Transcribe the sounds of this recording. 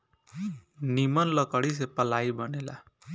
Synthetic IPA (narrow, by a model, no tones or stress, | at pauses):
nimʌnlʌkəɽis̬epʌlaibʌnela̰